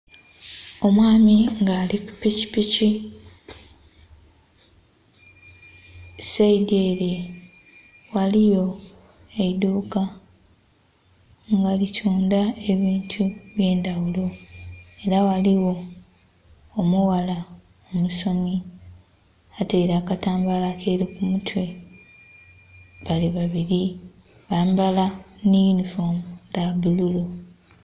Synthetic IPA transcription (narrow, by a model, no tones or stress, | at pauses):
o̞mwaːmiŋɡaːliku̥pici̥pici | seideɾe | walijo̞ | eiduːka | ŋɡalitʰuːndae̞βiːntʰuβje̞ːndawulo̞e̞ɾawaliwo̞ | muwala | omuso̞mi | ateɾakataːmbalakʰeɾikumutʰwe̞ | βaliβaβiɾi | βaːmbalanijunifoːmdaβululo